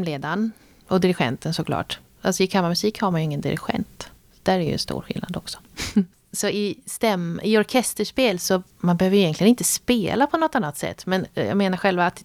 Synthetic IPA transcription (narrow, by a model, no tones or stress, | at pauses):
mleːd̪an | ɔd̪ɪɾɪɧɛ̰nt̪ənsɔkʰlɑ̰ːʈ | alsɔɪkʰamːaɾmɵsiːkhaɾmanjɵɪŋːənd̪ɪ̰ɾɪ̰ɧɛ̰nt̪ | d̪̥æɾæɾjɵ̰ɛ̰nst̪ṵːɾɧɪ̰lna̰d̪ɔksɔ̥ | sɔɪst̪ɛmɪɔɾkʰɛst̪əʂpeːlsɔmanbɛhøːvəjʏjɛŋk̪ʰlɪɡənɪnt̪əspeːlapʰɔnɔt̪ːanːat̪sɛ̰t̪ːmɛnjɑ̰ɡmeːnaɾɧɛlvaːt̪